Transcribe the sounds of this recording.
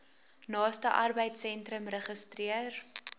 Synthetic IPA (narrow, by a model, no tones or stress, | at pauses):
nɑːstəʔɐrbəjtsɛntɾəmrəχəstriər